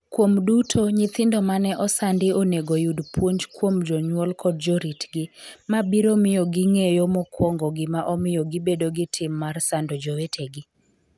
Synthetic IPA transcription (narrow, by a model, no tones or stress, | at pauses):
kwomdutʰoɲɪt̪ɪndɔmanɛʔɔsandɪoneɡojudpwoɲd͡ʒkwomd͡ʒɔɲwɔlkʰɔd̚d͡ʒoɾitɡɪmabiɾomɪjɔɡɪŋejomɔkwɔŋɡɔɡɪmaʔɔmɪjɔɡɪbedoɡɪtʰɪmːarsandɔd͡ʒowetʰeɡɪ